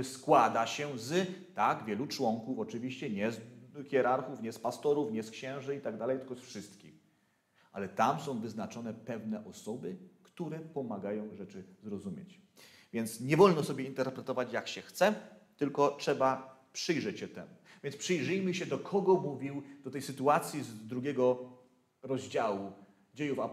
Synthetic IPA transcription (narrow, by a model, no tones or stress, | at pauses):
skwad̪aɕɛzt̪aɡvʲjɛlut͡ʂwɔŋkufɔt͡ʂɘvʲiɕt͡ɕɛɲɛzxʲjɛɾaɾxufɲɛspast̪ɔɾufɲɛskɕɛ̃w̃ʐɘit̪aɡ̚d̪alɛjt̪ɘlkɔsfʂɘst̪kʲix | ʔa̰lɛt̪amsɔ̃w̃vɘznat͡ʂɔnɛpɛvnɛʔɔsɔbɘkt̪uɾɛpɔmaɡajɔ̃w̃ʐɛt͡ʂɘzɾɔzumʲjḛt͡ɕ | vʲjɛnt̪sɲɛvɔlnɔsɔbʲjɛint̪ɛɾpɾɛt̪ɔvat͡ɕjakɕɛxt̪sɛt̪ɘlkɔtʂɛbapʂɘjʐɛt͡ɕɕɛt̪ɛmuvʲjɛnspʂɨjʐɘjmɘɕɛd̪ɔkʰɔɡɔmuvʲiwd̪̥ɔt̪ɛjsɘt̪uat̪sʲjizd̪ɾuɡʲɛɡɔ | ɾɔʑd͡ʑawu | d͡ʑejufa